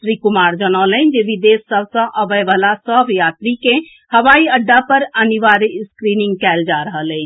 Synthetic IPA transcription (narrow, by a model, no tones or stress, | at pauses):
sɾikumaɾd͡ʒənələ̃nd͡ʒeʋid̪esːəbsə̃ʔəbəjʋalasəbjat̪ɾikẽ | həʋaiəɖːapəɾəniʋaɾeskɾinĩŋɡkɛld͡ʒaɾəɦəlɛɪt͡ʃʰ